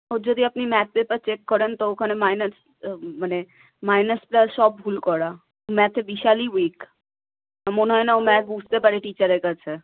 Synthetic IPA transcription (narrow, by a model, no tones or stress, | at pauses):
od͡ʑod̪iapnimɛt̪̚pepaɾt͡ɕekːɔɾent̪ookʰanemajnas | mane | majnəsplasʃɔb̚ːʱulkɔɾa | mɛt̪ʰebiʃaliwik | moneɦɔenaomɛk̚bud͡ʑʱt̪epaɾeʈit͡ɕaɾeɾkat͡ɕʰe